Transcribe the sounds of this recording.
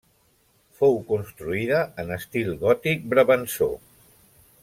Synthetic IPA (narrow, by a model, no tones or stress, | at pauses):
fowkunst̪ɾuiðəənəst̪ilˠɣɔt̪ik̚bɾəβənso̰